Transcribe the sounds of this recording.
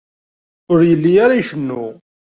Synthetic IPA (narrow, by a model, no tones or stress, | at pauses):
ʊɾjəlːijaɾaiʃənːu